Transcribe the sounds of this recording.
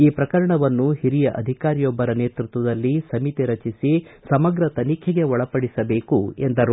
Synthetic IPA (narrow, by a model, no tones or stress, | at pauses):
iːpɾɐkɐɾɐɳɐʋɐnːuhiɾijɐʔɐ̰d̪ʱikaːɾijɔbːɐɾɐneːt̪ɾut̪ʋɐd̪ɐlːisɐmit̪iɾɐt͡ʃisisɐmɐɡɾɐt̪ɐnikʰeɡe̞ɔɭɐpɐɽisɐbe̞ːkuend̪ɐɾu